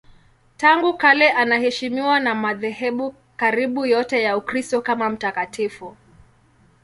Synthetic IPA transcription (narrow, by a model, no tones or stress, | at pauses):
taŋɡukalɛʔanahɛʃimiwanamaðɛɦɛɓu | kaɾiɓujɔtɛjaukɾistɔkamam̩takatʰifu